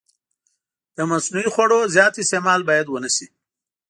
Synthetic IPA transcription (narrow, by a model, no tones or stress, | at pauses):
d̪̥əmasnuixwaɽozjɑːt̪ɪst̪emɑlbɑːjad̪wənasi